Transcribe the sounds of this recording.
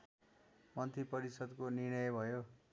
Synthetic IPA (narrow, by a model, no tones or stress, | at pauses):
mʌnt̪ipʌɾisʌd̪koniɽ̃ʌjbʱʌjo